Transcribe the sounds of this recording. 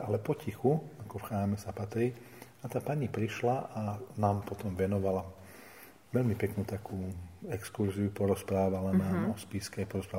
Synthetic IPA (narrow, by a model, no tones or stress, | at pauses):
alɛpɔcixuakɔfxɾaːmɛsapat̪ɾiː | at̪aːpaɲipɾiʃlaʔanaːmpɔt̪ɔmʋɛnɔʋala | ʋɛʎmipɛknuːt̪akuːɛkskuɾziupɔɾɔspɾaːʋalanaɔspiːskɛajpɔɾɔspɾaː